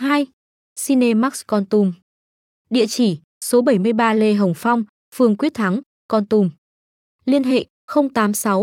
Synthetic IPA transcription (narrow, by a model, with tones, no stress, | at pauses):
haː˧j | si˧ne˧ma˦˥k̚skɔ˧nt̪u˧m | ɗḭ˧˨ət͡ɕi˧˩ | so˨˦ɓə˧˩jmɨ˧əjɓaː˧le˧ɦə˨˩wŋ͡mfa˧wŋ͡m | fɨ˧˩əŋkwət̚t̪ʰa˨˦ŋ | kɔ˧nt̪u˧m | li˧ənɦḛ˧˨ | xə˧wŋ͡mt̪aː˨˦msa˨˦w